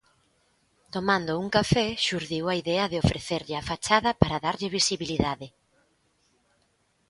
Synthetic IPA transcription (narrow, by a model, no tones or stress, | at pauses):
t̪omãnd̪ʊuŋkafɛʃuɾðiwɐiðɛɐðɪofɾeθeɾʎɪafat͡ʃaðɐpaɾɐðaɾʎɪβisiβiliðaðɪ